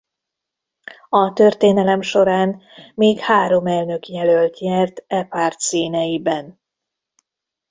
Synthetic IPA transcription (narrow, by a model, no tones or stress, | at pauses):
ɒt̪ørt̪eːnɛlɛmʃo̞ɾaːnmeːkhaːɾo̞mɛlnø̞kjɛlølt̪jɛrt̪ɛpaːrt̪siːnɛjibɛn